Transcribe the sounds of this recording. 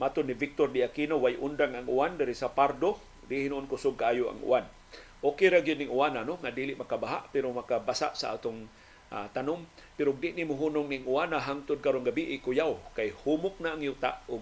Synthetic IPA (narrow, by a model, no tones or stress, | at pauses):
mat̪ʊnːɪvɪk̚t̪ordɪʔakinowajʔʊnd̪aŋaŋʔʊandaɾisapaɾd̪o | dɪhinuʔonkʊsʊɡ̚kaʔaːjʊʔa̰ŋṵʔan | ʔokejɾaɡijʊd̚nɪŋuananoŋadiːlɪʔmakabaɦa̰ʔpɪɾomakabasa̰ʔsaʔa̰t̪ʊŋ | a̰t̪anʊmpɪɾʊɡ̚dɪʔnimʊɦunʊŋnɪŋʊanaɦaŋt̪ʊd̪̚kaɾonɡabiʔɪkʊjawkajhumʊk̚naaŋjut̪a̰ʔʊɡ̚